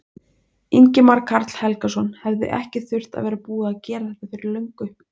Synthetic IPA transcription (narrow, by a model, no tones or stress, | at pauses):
iɲcɪmaɾkʰaɾt̪l̥hɛlkasɔnhɛvðʏ̰ʔɛ̰hcɪθʏr̥t̪a̰ðvɛːɾapuːðaːðcɛːɾaθɛht̪afɪɾɪɾlœɥŋkʏ